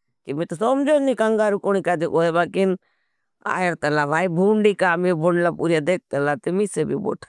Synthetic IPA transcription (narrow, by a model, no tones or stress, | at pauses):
kimĩt̪osomd͡ʒonikəŋɡaːɾukoñikaːt̪eʔoːɦebaːkin | a̰ːjeɾt̪əlaːʋaːibʱuːɳɖiːkaːmẽbʱoɳlaːpuːɾijad̪eːk̚t̪əlaːt̪emiseːbʱibo̰ːʈʰa